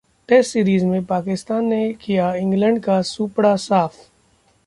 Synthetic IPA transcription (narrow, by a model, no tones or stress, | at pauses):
ʈɛsʈsiːɾiːzmẽpaːkɪst̪aːnːekijaɪ̃ŋɡlə̃ɳɖkasuːpɽasaːf